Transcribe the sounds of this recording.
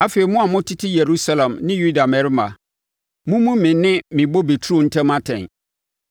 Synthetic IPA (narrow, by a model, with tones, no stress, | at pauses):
a˦fe˨i˨mʊ̃˦a˨mʊ̃˦tʰɪ˦tʰɪ˦je˨ɾu˦sa˦lã˨mnɪ̃˦ju˦da˨mɛ˨ɾɪ˦mã̰˨ | mʊ̃˦mũ˦mɪ̃˨nɪ̃˦mɪ̃˨bo˦be˨tʰu˦ɾo˨n̩˦tʰɛ̃˦mã˦tʰɛ̰̃˨n